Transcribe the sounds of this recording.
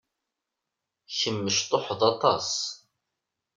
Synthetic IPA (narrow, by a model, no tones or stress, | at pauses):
çəmːəʃt̪ˤoħðɑt̪ˤɑs